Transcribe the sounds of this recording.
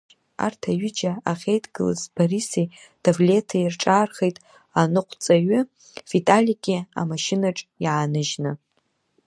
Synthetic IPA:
a̰rtʰaɥʏd͡ʒaaχʲejtʼʰɡɨlɨ̰zpʰaɾisej | d̥ʰavle̞tʰairʈ͡ʂʼaːrχejtʼ | anɨqʷʰt͡sʼaɥʏ | fitʼalʲiɡʲia̰maʃɪnaʈ͡ʂʼjaanɨʒnɨ

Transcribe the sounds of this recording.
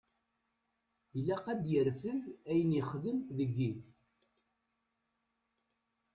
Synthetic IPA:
lːæqæd̪jəɾfəðæjəniχðəmðəɡːiθ

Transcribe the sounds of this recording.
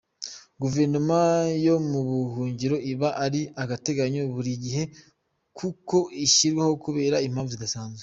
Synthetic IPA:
ɡuve̞ɾnomajo̞muβuɦuːɲɟiɾo̞ʔiβaʔaɾiaɡate̞ɡaɲo̞βuɾiɟiɦe̞ | kʰuko̞iʃiɾɡwaho̞kuβe̞ːɾaim̥aːɱvuziɡasaːnzwe

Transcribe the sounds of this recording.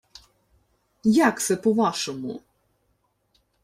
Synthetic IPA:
jakt̪sɛpɔʋaʃɔmu

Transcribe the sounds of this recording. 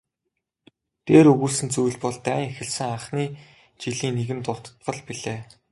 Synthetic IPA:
t̪eːɾɵɣuːɮsɘ̆nt͡sujɮpɔɮt̪æːŋexɘ̆ɮsɘ̆ŋaχniː | t͡ɕiɮiːneɣɘ̆nt̪ʊr̥t̪̆t̪ɢə̆ɮpiɮeː

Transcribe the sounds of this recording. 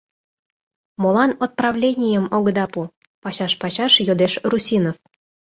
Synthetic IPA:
molɑnot̪̚prɑvlʲenʲijəmoɡə̆d̪ɑpu | pɑɕɑʃpɑɕɑʃjod̪eʃrusʲinof

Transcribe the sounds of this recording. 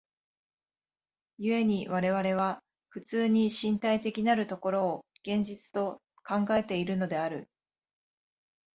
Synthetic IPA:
jɯ̟e̞ɲ̟iβaɾe̞β̞aɾe̞β̞a | ɸɯ̟t͡sɨːɲ̟iɕĩnt̪ait̪e̞kʲinaɾɯ̟t̪o̞ko̞ɾo̞ːɡ̥ẽ̞ɲ̟d͡ʑit͡sɨ̥t̪o̞ | kãŋɡae̞t̪e̞iɾɯ̟no̞d̪e̞aɾɯ̟

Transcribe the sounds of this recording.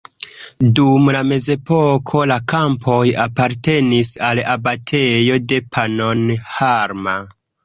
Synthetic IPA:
dumlame̞ze̞po̞kʰo̞lakampʰo̞japaɾte̞nisalabatʰe̞jo̞de̞pʰano̞nhaɾma

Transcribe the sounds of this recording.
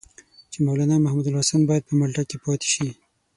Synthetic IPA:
t͡ʃemawlanamahmud̪alɑsambɑjad̪̚pəmalʈakepɑt̪e̥ʃi

